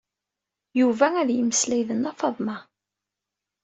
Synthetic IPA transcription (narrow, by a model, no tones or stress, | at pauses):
juvææðjəməslæjðənːɑfɑðˤmɑ